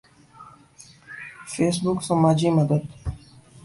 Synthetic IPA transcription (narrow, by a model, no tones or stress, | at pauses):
feːsbʊksɐmaːd͡ʒimɐd̪əd̪